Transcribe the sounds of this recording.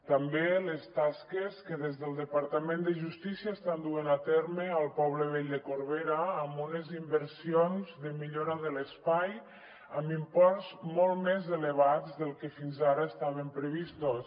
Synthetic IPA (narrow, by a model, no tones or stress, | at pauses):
t̪əmbelest̪askeskəðezðəlˠd̪əpaɾt̪amẽnd̪əʒust̪isiaest̪and̪uenat̪eɾməəlˠpɔβləβ̞eʎd̪əkoɾβeɾaːmbunezimbəɾsionzðəmiʎoɾaðələspaj | əmimpɔrzmɔlˠmezeləβazðəlˠkefinzaɾəest̪aβempɾəβist̪os